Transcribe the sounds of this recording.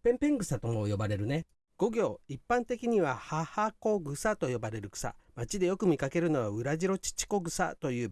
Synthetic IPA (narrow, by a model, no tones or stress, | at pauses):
pẽ̞mpẽ̞ŋɡɯ̟sat̪omoːjo̞baɾe̞ɾɯ̟ne̞ | ɡ̥o̞ɡʲo̞ːipːãnt̪e̞kʲiɲ̟iβahahaːko̞ːɡɯ̟sat̪o̞jo̞baɾe̞ɾɯ̟ɡɯ̥sa̰mat͡ɕid̪e̞jo̞kɯ̟mʲikake̞ɾɯ̟no̞βaɯ̟ɾaʑiɾo̞t͡ɕi̥t͡ɕi̥ko̞ɡɯ̟sa̰t̪o̞jɯ̟ː